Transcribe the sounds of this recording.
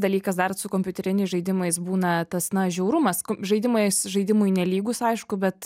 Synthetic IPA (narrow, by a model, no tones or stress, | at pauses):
d̪ɐlʲiːkɐs̬d̪ɐrsʊkoːmʲpʲʊt̪ʲɛɾʲɪnʲɛɪsʒɐɪd̪ʲɪmɐɪsbuːnɐt̪ɐsnɐʒʲɛʊɾʊmɐskʒɐɪd̪ʲɪmɐɪsʒɐɪd̪ʲɪmʊjnʲɛlʲiːɡʊsɐɪʃkʊbʲɛt̪